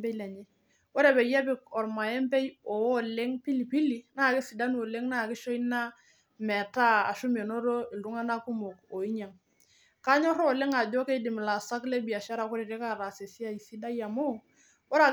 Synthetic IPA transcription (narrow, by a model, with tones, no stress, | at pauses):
bɛ˦le˨ɲɛ˦ | wɔ˦ɾe˨bɛ˨ja˦p̬ɪ˦kɔ˨ɾma˨ɛ˦mpɛ˦jɔ˨wɔ˦le˦ŋpi˦li˨pi˦li˨na˦˨kɪ˦si˨da˦nu˦o˨le˦ŋna˦˨kɪ˦ʃo˦i˦na˦ | mɛ˨ta˦a̰˨ʃu˦m˦e˨no˦ɾo˦ɪ˨ldu˦ŋa˦na˦ku˦mo˨ko˨i˦ɲa˨ŋ | ka˦ɲɔ˦ɾɔ˦˨le˦ŋa˨d͡ʒɔ˦ke˦i˦dɪ˨m˨la˨sa˦kle˦bi˨a˨ʃa˦ɾa˦˨kʊ˦ɾe˨ɾe˦ka˦˨ɾa˨se˨si˦a˦i˨si˦da˦ja˨mo˦ | wɔ˦ɾa˨